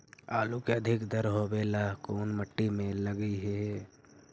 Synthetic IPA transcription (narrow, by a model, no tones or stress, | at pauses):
aːlukeɐd̪ʱɪkd̪əɾɦoːbeːlakoːnməʈːimẽləɡiɦɛː